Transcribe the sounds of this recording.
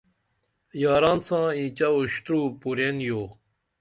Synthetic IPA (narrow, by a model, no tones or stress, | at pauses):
jɑːɾɑ̃ːnsãːit͡ɕɐuɕt̪ɾuːpuɾenjoː